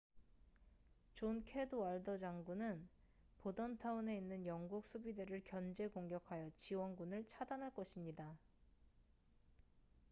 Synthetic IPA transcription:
t͡ɕonkʰe̞doaɭdʌd͡ʑaŋɡunɯn | podʌntʰaune̞inːɯnjʌŋɡuk̚s͈ʰubideɾɯɭkjʌnd͡ʑe̞koŋɡjʌkʰajʌt͡ɕiwʌnɡunɯɭt͡ɕʰadanɦaɭk͈ʌɕʰimɲida

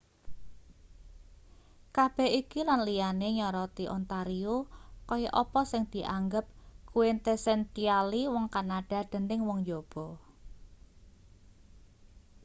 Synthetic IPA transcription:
kab̥ɛ̤hikilanlijaneɲɔɾɔt̪iʔɔ̰nt̪aɾiokɔjɔʔɔpɔsɪŋd̪̥i̤ʔaŋɡəp̚kuent̪esɛntialiwɔŋkanaɖ̥a̤d̪̥ə̤nɪŋwɔŋd͡ʒob̥ɔ

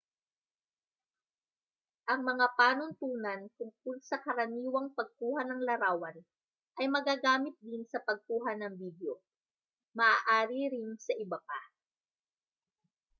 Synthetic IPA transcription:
ʔɐŋmɐŋapaːnʊnt̪uːnɐnkʊŋkʊlsɐkɐɾɐniːwɐŋpɐɡ̚kuːɦɐnɐŋlɐɾaːwɐn | ʔɐjmɐɡaːɡaːmɪt̪̚d̪ɪnsɐpɐɡ̚kuːɦɐnɐŋviːd̪jo̞ | mɐʔaːʔaːɾiɾɪnsɐʔɪbɐpa

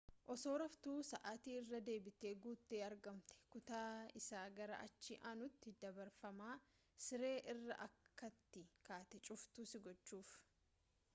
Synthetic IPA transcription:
ʔɔso̞ːɾɐft̪uːsɐʔaːt̪iːɪrːɐd̪e̞ːbɪt̪eːɡuːt̪ːe̞ːɐɾɡɐmt̪ɛ̥kʊt̪aːɪsaːɡɐɾɐ̰ʔɐt͡ʃːɪʔaːnʊt̪ːɪd̪ɐbɐɾfɐmaː | sɪɾe̞ːʔɪrːɐ̰ʔɐkːɐt̪ːɪkaːt̪ɛt͡ʃʼʊft̪ʊsɪɡɔt͡ʃːuːf

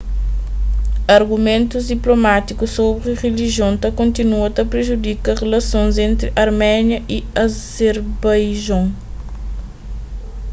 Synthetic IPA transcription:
ɐɾɡumẽnt̪uzd̪iplomat̪ikusobɾiʁeliʒjõnt̪ɐkõnt̪inuɐt̪ɐpɾeʒud̪ikɐʁelɐsõnzẽnt̪ɾiʔɐɾmɛnjɐʔiɐzeɾbajʒõŋ

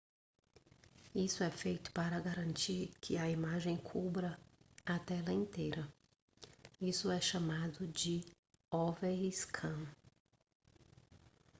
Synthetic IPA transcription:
isʊɛfejt̪ʊ̥paɾɐɡaɾɐ̃nt͡ʃiɾkʰɪɐimaʒẽj̃kʰubɾɐːt̪ɛlɐẽnt̪ejɾɐ | isʊɛʃamad̪ʊd͡ʒɪ | ɔveɾiskʰɐ̃

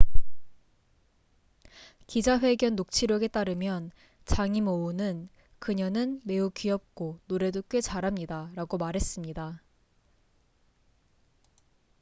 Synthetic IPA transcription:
kid͡ʑaɸwe̞ɡjʌnːok̚t͡ɕʰiɾjʌɡe̞t͈aɾɯmjʌn | t͡ɕaŋimounɯn | kɯɲʌnɯnme̞ukɥiʌp̚k͈onoɾe̞dok͈ɥe̞t͡ɕaɾɦamɲidaɾaɡomaɾɦe̞s͈ɯmɲida

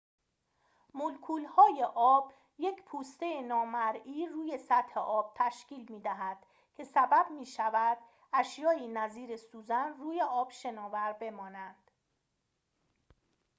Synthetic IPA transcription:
molkʰuːlhɒːje̞ʔɒːb̥ | je̞cʰpʰuːst̪e̞jenɒːmæɾiːruːje̞sæt̪he̞ʔɒːb̥̚t̪ʰæʃciːlmiːd̪æɦæd̪̥ | cʰe̞sæbæbmiːʃævæd̪̥̚ | æʃjɒːiːnæziːɾe̞suːzænruːje̞ɒːb̥ʃe̞nɒːvæɾbe̞mɒːnænd̪̥

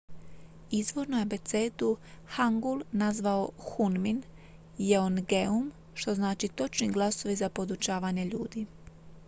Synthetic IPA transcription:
izʋo̞ɾnojabe̞t̪seːt̪uxaŋɡulˠnazʋao̞xunmin | jeonɡeum | ʃt̪o̞znaːt͡ʃit̪o̞t͡ʃniɡlˠaso̞ʋizapo̞d̪ut͡ʃaːʋaːɲe̞ʎṵːd̪i

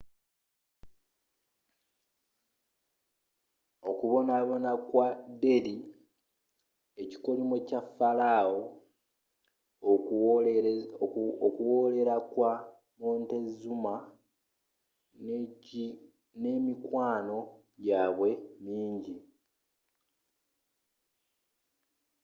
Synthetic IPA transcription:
okuβo̞naβo̞nakwade̞ɾi | e̞ci̥ko̞limwecafːalaːwo | okuwo̞ːle̞ɾakwa | moːnte̞zuma | nemikwaːno̞ | jaːβwe̞miːɲɟi

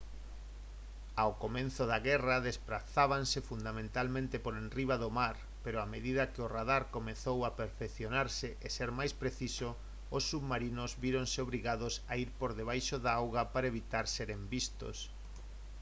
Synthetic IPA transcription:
awkomẽnθʊðaɣɛrɐðespɾaθaβansɪfund̪amẽnt̪almẽnt̪epoɾenriβaðomaɾ | peɾoameðiðɐkɪoraðaɾkomeθowapeɾfekθjonaɾsɪʔeseɾmajspɾeθisoː | sːuβmaɾinʊzβiɾoŋseoβɾiɣaðosaiɾpoɾðeβ̞ajʃoðaawɣɐpaɾaeβit̪aɾseɾembist̪o̰s

